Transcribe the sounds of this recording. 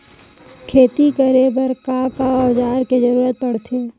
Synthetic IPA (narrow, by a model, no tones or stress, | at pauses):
kʰeːt̪ikəɾebɐɾkakaɔːd͡ʒaːɾked͡ʒɐɾuːɾət̪̚pɐɽt̪ʰeɛː